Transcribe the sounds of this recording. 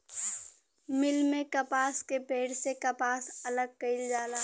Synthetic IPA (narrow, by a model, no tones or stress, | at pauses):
mɪlmẽkɐpaːskebʱeːɽsekɐpaːsɐləɡ̚kɐɪld͡ʒaːlaː